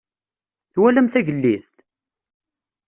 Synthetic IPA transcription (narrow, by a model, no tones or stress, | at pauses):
θwælæmθæʝəlːiθ